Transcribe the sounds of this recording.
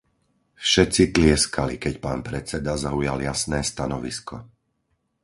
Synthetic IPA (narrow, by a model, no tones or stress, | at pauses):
fʃɛt͡sit̪lɪɛskʰalikɛcpaːnpɾɛt͡sɛd̪azaujaljasnɛːst̪anɔʋiskʰɔ̰